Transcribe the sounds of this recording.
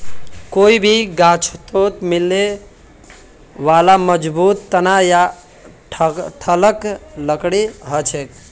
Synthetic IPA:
koibʱiɡat͡ʃʰt̪ot̪milːe | ʋalaməd͡ʒbut̪ːənaja | ʈʰʈʰələkləkɽiɦət͡ʃʰɛk

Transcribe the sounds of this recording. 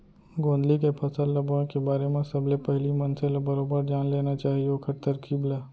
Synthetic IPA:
ɡõːnd̪likepʰɐsəlːɐbõkebaːɾemẽsɐblepɛɦlimɐnselebɐɾoːbəɾd͡ʒjaːnleːnat͡ʃaːɦiokʰɐɾt̪əɾkʰiːblaː

